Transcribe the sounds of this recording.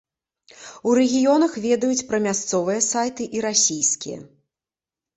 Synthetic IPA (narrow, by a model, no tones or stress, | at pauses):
uɾɛɣʲijɔnɐxvʲɛd̪ɐjut͡sʲpɾɐmʲast̪sɔvɨjɐsajt̪ɨʔiɾasʲijskʲḭjɐ̰